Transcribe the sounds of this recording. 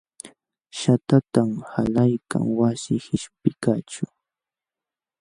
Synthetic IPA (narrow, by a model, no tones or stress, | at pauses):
ʃat̪at̪amhalajka̰ŋwasɪhɪʃpɪkat͡ʃʊ